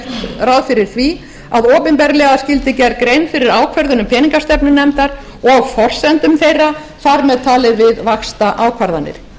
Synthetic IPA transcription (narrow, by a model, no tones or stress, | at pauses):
t̪rawðfɪɾɪɾ̥θvi | aðɔːpɪnpɛɾlɛɣascɪlt̪ɪcɛɾkɾejnfɪɾɪɾaːwkʰvɛɾðʏnʏmpʰɛːniŋkast̪ɛpnʏnɛmt̪aɾ | ɔɣfɔr̥sɛnt̪ʏmθejrːa | θaɾmɛðt̪ʰaːlɪðvɪðvaxst̪aʔaːwkʰvaɾðanːɪ̰ɾ̥